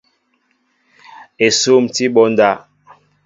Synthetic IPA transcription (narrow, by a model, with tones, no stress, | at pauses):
e˨so˦˨mti˦ɓɔ˦n˦da˦˨